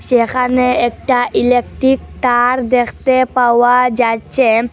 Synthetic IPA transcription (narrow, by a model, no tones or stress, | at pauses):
ʃekʰaneːk̚ʈaʔilekʈɾikt̪aɾd̪ekʰt̪epawad͡ʒat͡ʃe